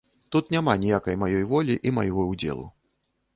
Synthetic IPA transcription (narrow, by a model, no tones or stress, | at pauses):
t̪ut̪nʲamanʲijakɐjmajɔjvɔlʲiʔima̰jɣɔwd͡zʲɛ̰lˠṵ